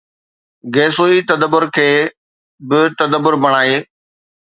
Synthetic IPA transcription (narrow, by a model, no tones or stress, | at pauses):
ɡeːsoːit̪əd̪əbʊɾkʰeː | bɪt̪əd̪əbʊɾbəɽ̃aːeː